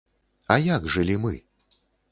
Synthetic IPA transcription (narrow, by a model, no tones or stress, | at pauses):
ɐjaɡʐɨlʲimɨ